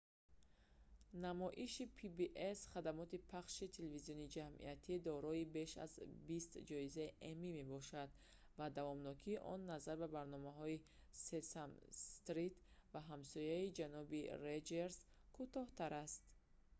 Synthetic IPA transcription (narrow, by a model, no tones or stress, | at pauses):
namɔʔiʃipʰibiʔesχad̪amɔt̪ipʰaχʃit̪ʰelevizijɔnid͡ʒamʔḭat̪ʰid̪ɔɾɔibe̞ʃa̰zbist̪d͡ʒɔizaiʔemime̞bɔʃad̪ | vad̪avɔmnɔkʰiːʔɔ̰nːazaɾbabaɾnɔmaɦɔisesamst̪ɾit̪vaɦamsɔjaid͡ʒanɔbiɾed͡ʒeɾz | kʰut̪ɔht̪aɾast̪